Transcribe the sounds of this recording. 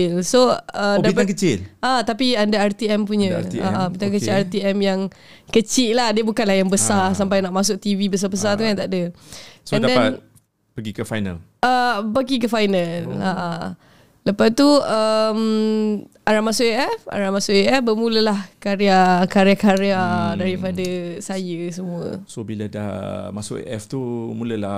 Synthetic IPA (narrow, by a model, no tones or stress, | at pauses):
lsoədaipakət͡ʃɪlʔat̪apiandaart̪iɛmpuɲə̃a̰ʔabit̪aŋkət͡ʃɪart̪iɛmjaŋ | kət͡ʃɪʔlahdiəbukanlahjaŋbəsarsampajnaʔmas̬ʊk̚t̪ivibəs̬abəs̬art̪uant̪aʔdəsəndɛa | bəɡikəfa̰jna̰lʔəpəɡik̬əfajnala | ləpat̪uəm | aɾamasʊʔeʔɛfa̰ɾamasʊʔeɛfbəmũləlahkaɾeakaɾeakaɾeadaɾipadəsajəsəmũə̰sobiləda̰hmasʊʔḛʔɛ̰ft̪umuləla